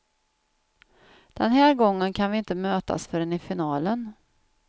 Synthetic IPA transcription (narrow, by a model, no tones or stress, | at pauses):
d̪̥ɛnɦæːɾɡɔŋːənkʰanvɪɪnt̪əmøːt̪a̰sfœɾɛnɪfɪnɑːlən